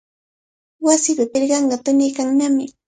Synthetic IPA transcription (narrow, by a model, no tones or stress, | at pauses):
wasɪpapɪɾɢɑɴɢɑt̪ʊnɪjkaŋnamɪ